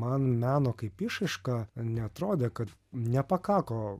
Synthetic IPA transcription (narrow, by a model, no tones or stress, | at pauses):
mɐnmʲæːnoːkɐɪpɪʃɐɪʃkɑnʲɛɐt̪ɾoːd̪ʲeːkɐt̪nʲɛpɐkɑːkoː